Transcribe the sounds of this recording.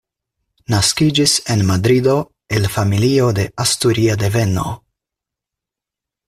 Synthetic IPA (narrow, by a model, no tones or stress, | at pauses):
naskid͡ʒisenmad̪ɾid̪o | elfamiliːod̪eʔast̪uɾiad̪evɛno̰